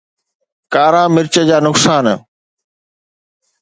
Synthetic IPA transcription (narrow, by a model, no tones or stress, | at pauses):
kaːɾãːmɪɾt͡ɕəd͡ʑaːnʊksaːn